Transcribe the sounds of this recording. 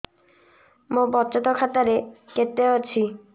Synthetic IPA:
mobɔtːt͡ɕot̪okʰat̪aɾeket̪ːeoɾt͡ɕʰi

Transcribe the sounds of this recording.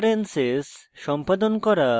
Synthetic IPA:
ɾensesʃɔmpad̪onkɔɾa

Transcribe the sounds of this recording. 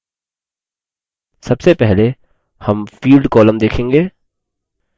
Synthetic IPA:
sɐbsepɛɦle | hɐmfiːlɖkɔːləmd̪eːkʰẽːŋɡeː

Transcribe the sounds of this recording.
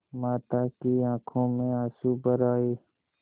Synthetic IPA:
maːt̪aːkiãːkʰõːmẽaːsuːbəɾaːeː

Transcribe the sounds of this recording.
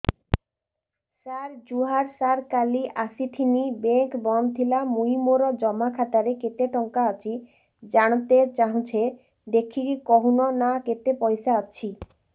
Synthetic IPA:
saɾd͡ʑuɦaɾsaɾkaliʔasit̪ʰinibeŋkbɔnd̪ʱilamuimoɾɔd͡ʑɔmakʰat̪aɾeket̪eʈɔŋkaat͡ɕʰi | d͡ʑaɽ̃ot̪et͡ɕaɦũt͡ɕʰe | d̪ekʰːikɔɦunonaket̪epɔjsaaːt͡ɕʰi

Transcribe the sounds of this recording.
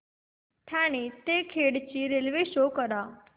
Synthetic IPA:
ʈʰãñit̪ekʰeɽt͡ɕiɾelʋeʃokəɾa

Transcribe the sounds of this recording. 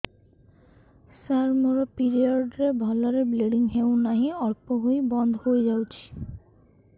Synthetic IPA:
saɾmoɾopiɾioɖɾebʱɔlaɾebleɖiŋɦewnaɦiɔɾpoɦojbɔnd̪ʱhojd͡ʑawt͡ɕʰi̥

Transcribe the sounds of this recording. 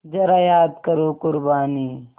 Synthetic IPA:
d͡ʒɐɾaːjaːd̪kɐɾoːkʊɾbaːniː

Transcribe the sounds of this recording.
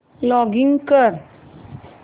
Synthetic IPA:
lɔɡiŋɡkəɾ

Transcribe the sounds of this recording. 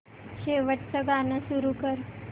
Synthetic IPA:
ɕeʋəʈt͡səɡanəsuɾukəɾ

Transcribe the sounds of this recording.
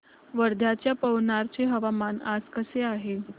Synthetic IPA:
ʋəɾd̪ʱjat͡ɕjapəʋnaɾt͡ɕeɦəʋamanad͡zkəseaɦe

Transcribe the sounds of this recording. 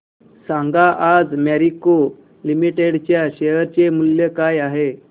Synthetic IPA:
saŋɡaʔad͡zmɛɾiko | limiʈeɽt͡ɕjaɕeɦəɾt͡ɕemuljekajaɦe

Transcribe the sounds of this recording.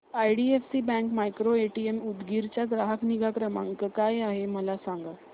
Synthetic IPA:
ajɽiefsibɛ̃ŋkmajkɾoeʈiemud̪ɡiɾt͡ɕjad̪ɾaɦəkniɡakɾəmã̰ŋkəkajaɦeməlasãŋɡa

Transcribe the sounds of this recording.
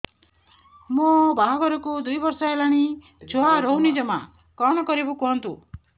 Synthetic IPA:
mobaɦɔɡɔɾɔkud̪ujbɔɾsɔelaɽ̃i | d͡ʒoɦaɾownid͡ʒɔma̰ | kɔɽ̃ɔkɔɾibukɔɦɔnt̪u

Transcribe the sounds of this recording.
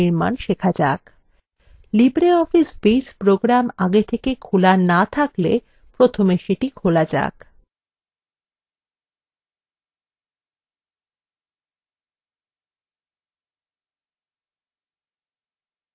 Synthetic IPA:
iɾma̰nʃekʰad͡ʑa̰k | libɾeɔfisbispɾoɡɾamaɡet̪ʰekekʰulanat̪ʰaklḛ | pɾot̪ʰomeʃeʈikʰolad͡ʑa̰k

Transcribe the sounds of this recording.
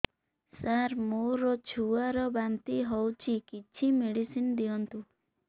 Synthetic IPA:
saɾmoɾɔt͡ʃʰuaɾɔbant̪iɦɔwt͡ʃʰikit͡ʃʰimeɽisinɔd̪iɔnt̪u

